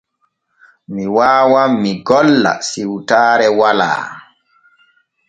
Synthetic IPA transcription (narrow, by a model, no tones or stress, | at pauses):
miwaːwamːiɡɔlːa̰siwtaːɾɛwala̰ː